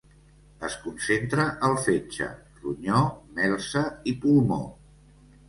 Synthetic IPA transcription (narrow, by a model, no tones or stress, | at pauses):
əskunsent̪ɾəʔəlˠfet͡ʃə̰ | ruɲɔmɛlˠsəipulˠmo̰